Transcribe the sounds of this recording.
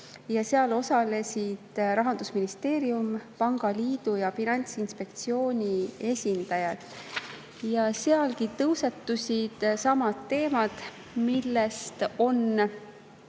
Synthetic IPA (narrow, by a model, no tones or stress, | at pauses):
jɑseɑlo̞sɑle̞sʲid̪̥ɾɑɦɑnd̪̥usminist̪e̞ːɾiumpɑŋɡ̥ɑliːd̪̥ujɑfinɑnʲt̪sinspe̞k̚t̪sio̞ːnʲie̞sʲind̪̥ɑjɑd̪̥ | jɑseɑlkit̪ɤwset̪ːusʲid̪̥sɑmɑt̪ːe̞ːmɑd̪̥ | milːest̪o̞n